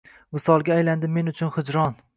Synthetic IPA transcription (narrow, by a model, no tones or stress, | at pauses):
mɪsɒlˠɡʲaːjland̪ɪme̞nʊt͡ʃʰʊnhʊd͡ʒɾɒn